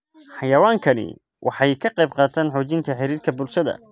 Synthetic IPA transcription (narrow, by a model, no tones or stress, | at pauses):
ħɑjɐwaːŋkʰɐnɪ̰ | wʔɑ̰ħɑjkʰɐqɑjb̚qɑːt̪ʰaːnħuːt͡ʃɪnt̪ʰɐħɪɾiːrkʰɐbʊlʃɐðɐ̰